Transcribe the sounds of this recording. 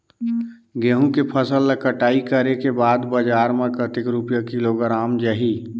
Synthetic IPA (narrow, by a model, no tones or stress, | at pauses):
ɡeɦũkepʰəsəlːekəʈaːikəɾekebaːd̪bəd͡ʒaːɾmekət̪ɪkɾupjəkiloɡəɾaːmd͡ʒəɦi